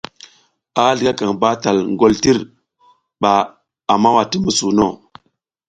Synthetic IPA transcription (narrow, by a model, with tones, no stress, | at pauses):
a˦ɮi˨ɡa˦ka˨ŋba˦ta˨lŋ˨ɡo˦lti˦ɾ | ɓaː˨ | ma˦wa˨ti˦mə˦su˨no˦˨